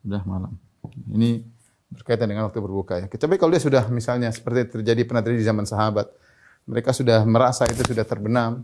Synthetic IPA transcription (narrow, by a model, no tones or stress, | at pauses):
sudahmalam | ḭni | bərkait̪̬andəŋanwak̚t̪ubərbukajakət͡ʃapɛkalowdiasudahmisalɲasə̥pərt̪it̪ərd͡ʒadipənaht̪rd͡ʒadidizamansaɦabat̪̚ | məɾekasudahməɾasait̪̬usudaht̪ərbənar